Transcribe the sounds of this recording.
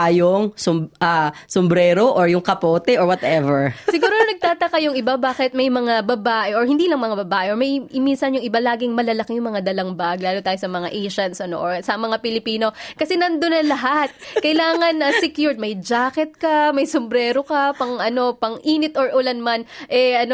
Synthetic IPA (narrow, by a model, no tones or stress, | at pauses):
ʔɐjʊŋsɔʔasɔmbɾɛːɾoʔɔɹjʊŋkɐpoːt̪ɛʔɔɹwɐt̪ɛvɛɹssɪɡuːɾonɐɡ̚t̪aːt̪ɐkɐjʊŋɪbabaːkɪt̪̚mɐjmɐŋabɐbaːʔɛʔoɹhɪnd̪iːlɐŋmɐŋabɐbaːʔɛʔoɹmɐjminsɐnjʊŋɪbalaːɡɪŋmɐlɐlɐkɪjʊŋmɐŋad̪ɐlɐŋbaɡ̚laːlot̪aːjosɐmɐŋa̰ʔejʃɐnt̪sʔɐno̞̰ʔoɹsɐmɐŋapɪlɪpiːno̞kɐsɛnɐnd̪onɐlɐɦat̪̚kɐjlaːŋɐnɐsɛkjuɹt̪̚mɐjd͡ʒaːkɛt̪̚kɐmɐjsombɾɛːɾo̞kɐpɐŋʔɐno̞pɐŋʔiːnɪt̪ʔoɹʔʊlanmanʔɛʔɐno